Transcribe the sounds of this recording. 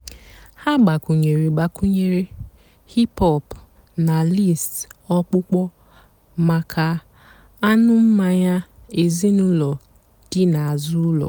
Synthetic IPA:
ha˦ɡ͡ba˨ku˨ɲe˨ɾi˨ɡ͡ba˨ku˦ɲe˨ɾe˦ | hi˦pɔ˦˨p | na˨li˦˨stɔ˦k͡pʊ˦k͡pɔ˦ | ma˨kʰa˨ | a˦nʊ˦m̩˦ma˦ɲa˦e˨zi˦nʊ˦lɔ˨ | d̥ɪ˦na˨a˨zʊ˦lɔ̰˨

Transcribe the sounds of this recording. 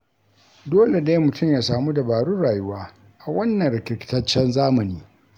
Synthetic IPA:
doː˦le˨ne˦mʊ˨tʊ˦˨mjaː˨saː˨mu˦da˨baː˨ɽu˦ɽaː˨ju˦waː˦ | ʔa˨wɐ˦nːɐ˨ŋɾɪ˨kʲɪ˨kʲɪ̥˨tɐ˦t͡ʃːɛ˦nzaː˦mɐ˨niː˦

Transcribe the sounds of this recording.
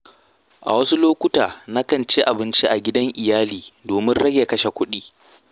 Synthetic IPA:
ʔa̰˨wɐ˦su˦loː˦kʷʊ˦taː˨na˦kɐ˨nt͡ʃi˦ʔa˨bɪ˦nt͡ʃi˦ʔa˨ɡʲɪ˦dɐ˦ŋʔɪ˨jaː˦liː˨doː˨mɪ˦nɽɐ˦ɡʲeː˨kɐ˦ʃe˨kʷʊ˦ɗiː˦

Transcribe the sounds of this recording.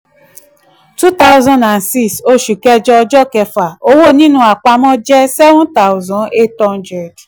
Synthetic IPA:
tu˦ta˦ʊ˦zɔ̃˧nda˨nsi˦so˧ʃu˨kɛ˧d͡ʒɔ˧ɔ˧d͡ʒɔ˦kɛ˧fa˨o˧wo˦˨nĩ˦nũ˦a˨k͡pa˧mɔ̃˦d͡ʒɛ˦sɛ˦vɔ̃˦ta˦ʊ˦zɔ̃˨e˦tɔ̃˧ndɾɛ˨d

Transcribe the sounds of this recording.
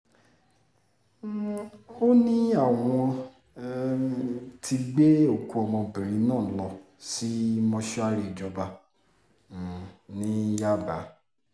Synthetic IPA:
o˦nĩ˦a˨w̃ɔ̃˧ | tʰi˧ɡ͡be˦o˨ku˧ɔ˧mɔ̃˧bi˨ɾĩ˨˦nãː˦˨˦lɔ˧ | si˦mɔ̃˧ʃa˦ɾi˧˨d͡ʒɔ˧ba˧˨ | nĩ˦ja˦˨ba˨˦

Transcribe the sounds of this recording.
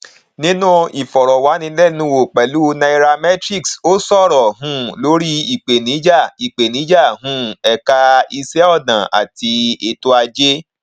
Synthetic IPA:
nĩ˦nũ˦i˨fɔ˨ɾɔ˨wa˨˦nĩ˧˦lɛ˦˨nũ˨˦wo˨k͡pɛ˨lu˦˧nã˧i˧ɾa˧mɛ˦tɾi˦˨kso˦sɔ˦˨ɾɔ˨ɦũ˧˦lo˨˦ɾi˦i˨k͡pe˨nĩ˨˦d͡ʒa˦˨i˨k͡pe˨nĩ˨˦d͡ʒa˦˨ɦũ˦ɛ˧ka˧i˧sɛ˦ɔ˦˨dã˨a̰˨ti˧e˧to˧˦a˧d͡ʒe˦

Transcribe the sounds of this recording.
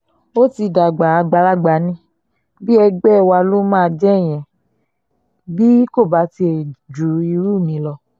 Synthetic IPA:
o˦ti˧da˨ɡ͡ba˨a˧ɡ͡ba˨˧la˦ɡ͡ba˨˦nĩ˧ | bi˦ɛ˧ɡ͡bɛ˦˨wa˧lo˦mãː˦˧d͡ʒɛ˦˨j̃ɛ̃˨ | bi˦ko˦˨ba˨˦ti˧e˨d͡ʒu˨i˧ɾu˦˨mĩ˨˦lɔ˧

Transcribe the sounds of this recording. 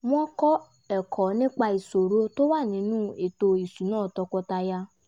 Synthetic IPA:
m̃˦ɔ̃˦kɔ˦ | ɛ˨kʰɔ˨nĩ˦k͡pa˧i˨so˨ɾo˦to˦wa˦˨nĩ˨˦nũ˦e˨to˧i˨su˨˦nãː˦˨tɔ˧kɔ˧ta˧ja˧

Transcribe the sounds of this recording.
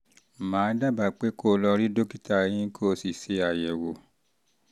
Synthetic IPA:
mãː˨˦da˦˨ba˨k͡pe˨˦ko˦˨˧lɔ˧ɾi˦do˦ki˦ta˧˨˧j̃ĩ˦kʰo˦˧˨si˨se˨˧˦a˨jɛ˨wo˨

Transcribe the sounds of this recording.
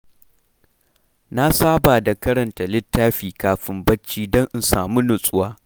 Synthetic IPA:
na˦saː˦baː˨da˨kɐ˦ɾɐ˨nta˨lɪ˦tːaː˦ɸiː˨kaː˨ɸɪ˨mbɐ˦t͡ʃːiː˦dɔ˦ŋʔɪ˦˨nsaː˨mu˦nʊ˨sʼʊ˦waː˦

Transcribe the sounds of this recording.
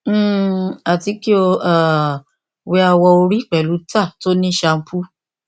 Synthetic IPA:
a˨ti˨˦ki˦o˧a˦˨ | wɛ˧a˧wɔ˧o˧ɾi˦k͡pɛ˨lu˨˦ta˦˨to˦nĩ˦ʃa˧m̩˦pu˦

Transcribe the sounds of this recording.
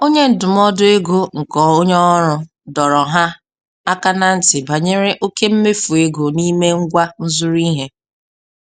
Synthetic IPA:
o˦ɲe˦n̩˨dʊ˨m˦ɔ˦dʊ˦e˦ɡo˦ŋ̩˨kɔ˨˦o˦ɲɔ˦ɾʊ˦ | dɔ˨ɾɔ˨ɦa˦ | a˦ka˦na˦˨n̩˦tɪ˨ba˨ɲe˦ɾe˦ʔo˦ke˦m̩˦me˦fu˨e˦ɡo˨ni˦me˦ŋ̩˦ɡʷa˦n̩˦zʊ˦ɾi˦ɦe˦

